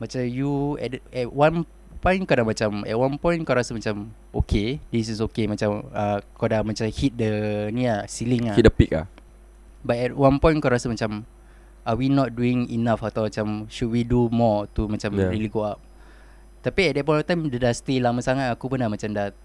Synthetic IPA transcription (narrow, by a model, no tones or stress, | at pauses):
mat͡ʃamjuɛ̰ɛtwãn | pɔ̃jnkadamat͡ʃamɛ̰t̚wãnpɔ̃j̃nkaɾasamat͡ʃam | okʰedis̬is̬okemat͡ʃaməkadamat͡ʃamhit̪̚dəniasiliŋaidəpik̚la̰h | bat̚ɛt̚wãnpɔ̃j̃nkaɾasamat͡ʃam | ʔawinɔt̚duĩŋḭnafat̪awat͡ʃamʃud̚widumɔt̪umat͡ʃamɹiliɡoap̚ | t̪apiɛt̚dɛt̚pɔ̃j̃nɔft̪ãjmdədast̪ilaməsaŋat̪akupunamat͡ʃamda